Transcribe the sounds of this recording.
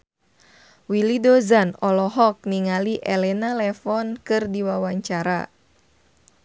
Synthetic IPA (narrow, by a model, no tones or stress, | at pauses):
wilidɔzanɔlɔɦɔk̚niŋaliʔelɛnalɛfɔnkɨrdiwawaɲt͡ʃaɾa̰